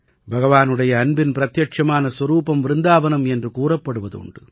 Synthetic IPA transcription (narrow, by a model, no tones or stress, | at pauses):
bʱɐɣɐʋaːnɯɽɐjɐːnbɪnpɪɾɐt̪jɐʈ̚t͡ʃɐmaːnɐswɐɾuːpɐmʋɪɾɯnd̪aːʋɐnɐmɛndrɯkuːrɐpːɐɽɯʋɐðʊ̰ɳɖɯ